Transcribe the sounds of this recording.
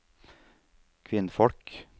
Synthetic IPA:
kʰʋɪnfɔɽk

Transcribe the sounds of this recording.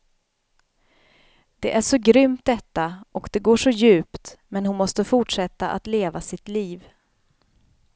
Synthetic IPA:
d̪̥ɛʔæʂɔɡɾʏmt̪̚d̪ɛt̪ːaʔɔkd̪ɛɡoːʂɔjʉ̟ːpt̪mɛnhʊnmɔst̪əfʊʈʂɛt̪ːaʔa̰t̪leːvasɪt̪liːv

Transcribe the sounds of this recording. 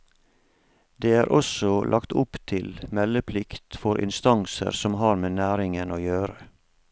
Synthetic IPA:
d̪eːæːɾʔɔsɔlʔɑkt̪ʊpt̪ʰɪlmɛləpʰlɪkt̪fɔɾʔɪ̰nst̪ɑŋsə̰ɾsɔmhɑːɾmeːnæːɾɪŋənoːjøːɾə

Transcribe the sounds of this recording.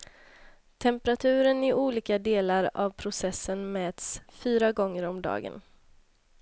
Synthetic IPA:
t̪ʰɛmpəɾat̪ʰʉ̟ːɾənɪʔuːliːkad̪eːlaɾa̰vpʰɾʊsɛsːənmɛːt̪sfyːɾaɡɔŋːəɾɔmd̪ɑ̰ːɡə̰n

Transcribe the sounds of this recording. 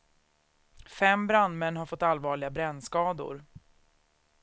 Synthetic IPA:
fɛmbɾanmɛnːɦaɾfɔt̪ːalvɑːɭɪɡabɾɛnːskɑːd̪ʊ̰ɾ

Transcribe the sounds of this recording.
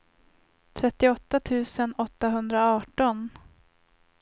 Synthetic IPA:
t̪ʰɾɛt̪ːɪɔt̪ːat̪ʰʉ̟ːsənɔt̪ːaɦɵnd̪ɾaɑːʈɔn

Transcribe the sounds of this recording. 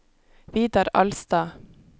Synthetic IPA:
ʋiːd̪ɑɾɑ̰lst̪ɑː

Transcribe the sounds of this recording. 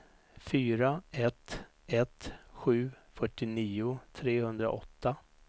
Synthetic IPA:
fyːɾaɛt̪ː | ɛt̪ɧʉ̟ː | fœʈːɪniːʊt̪ʰɾeːhɵnd̪ɾa̰ʔɔt̪ʰːa

